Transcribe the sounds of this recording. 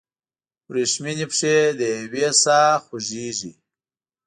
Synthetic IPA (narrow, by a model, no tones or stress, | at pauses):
wɾiʂminipʂed̪əwesaːxuʒiːʒḭ